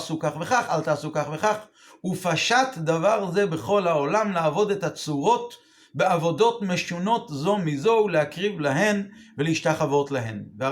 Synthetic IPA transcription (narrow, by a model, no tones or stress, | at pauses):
sukaχve̞χaχalt̪aːsukaχve̞χaχ | ufaʃatdavaʁze̞beχo̞lhaolamlaːvo̞det̪at͡suʁo̞t | be̞avo̞do̞tme̞ʃuno̞tzo̞mizo̞ulehakʁivlaɦe̞nveleiʃtaχavo̞tlaɦenvea